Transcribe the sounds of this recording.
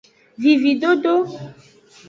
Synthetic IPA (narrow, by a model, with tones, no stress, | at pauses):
vi˨vi˨do˦do˦